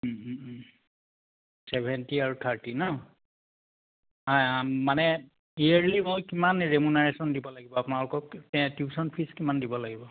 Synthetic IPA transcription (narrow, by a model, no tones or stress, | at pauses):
sɛbʱɛntiaɹutʰaɹtinɔ | amanɛ | iaɹlimojkimanɹemunaɹesɔndibɔlaɡibɔapʊnalʊkɔktɛɛ̃tjusɔnpʰiskimandibɔlaɡibɔ